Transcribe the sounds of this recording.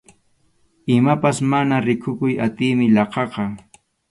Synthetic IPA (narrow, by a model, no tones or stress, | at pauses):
ɪmapasmanaɾɪkʰʊkʊjat̪ɪjmɪlɑqɑqɑ